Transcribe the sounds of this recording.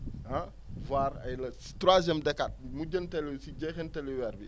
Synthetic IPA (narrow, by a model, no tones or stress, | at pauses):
a | vaːɾɐ̰jlɐstɾwazjɛmdɛkːat̚muɟəntɛlisiɟɛxɛntɛliwɛɾbi